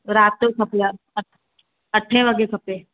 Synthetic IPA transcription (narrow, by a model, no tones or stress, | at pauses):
ɾaːt̪ːokʰɐpla | ɐʈʰːẽʋɐɡekʰɐpːe